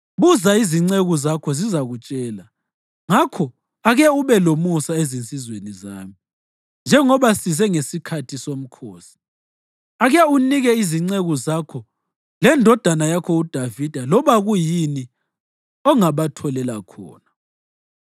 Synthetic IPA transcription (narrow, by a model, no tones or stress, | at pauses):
βuzaiziŋ͡ǀeɣɔzakʰɔzizaɣut͡ʃʼɛːla | ŋakʰɔ | aɣɛuβɛlomusaezint͡sʼizwenizaːmi | nd͡ʒʱɛŋɔβasizɛŋesikʰatʰisom̩kʰoːsi̥ | aɣɛuniɣɛiziŋ͡ǀeɣɔzakʰɔ | lɛndʱɔd̥ʱanajakʰɔud̥ʱavid̥ʱalɔβaɣujini | ɔŋaβatʰɔlɛlakʰɔ̰ːna